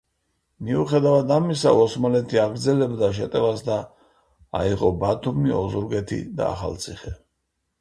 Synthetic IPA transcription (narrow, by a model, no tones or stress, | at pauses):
miuχɛd̪avad̪amisa̰ɔsmalɛt̪ʰiaɡɾd̪zɛlɛbd̪aʃ̬ɛt̪ʼɛvasd̪a | a̰iʁɔbat̪ʰumiɔzuɾɡɛt̪ʰḭd̪a̰a̰χa̰lt̪sʰiχɛ